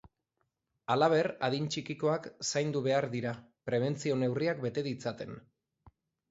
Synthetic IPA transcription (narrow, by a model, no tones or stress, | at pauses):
alaβ̞e̞raðint͡ʃikiko̞aksajnd̪uβe̞aɾðiɾapɾe̞β̞e̞nt͡sio̞ne̞wriak̚be̞t̪e̞ðit͡sat̪e̞n